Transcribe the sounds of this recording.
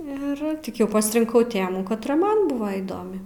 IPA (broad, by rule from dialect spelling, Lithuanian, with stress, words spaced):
ɪr ˈtʲɪk ˈjɛʊ pɐsʲrʲɪŋˈkɐʊ ˈtʲeːmuː kɐtˈrɐ ˈmɐn ˈbʊʋɐ iːˈdoːmʲɪ